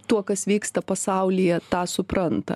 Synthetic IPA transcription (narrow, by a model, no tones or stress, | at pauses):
t̪uɔkɐsʋʲiːkst̪ɐpɐsɑˑʊlʲɪjɛt̪ɑːsʊpɾɐnt̪ɐ̰